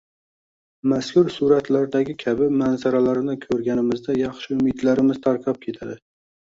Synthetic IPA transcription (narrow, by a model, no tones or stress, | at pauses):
maskʰʲʊɾsuɾat̪laɾd̪aɡʲɪkʲʰabɪmanzaɾalaɾɪnɪkʲʰɵɾɡʲanɪmɪzd̪ajɑχʃɪʊmɪd̪laɾɪmɪz̥t̪ʰaɾkʰɑp̚kʲʰe̞t̪ʰad̪ɪ